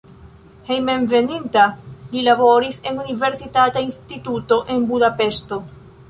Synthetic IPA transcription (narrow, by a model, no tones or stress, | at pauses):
he̞jme̞nve̞nintalilaβo̞ɾise̞nunive̞ɾsitatainstituto̞ʔe̞nbudape̞sto̞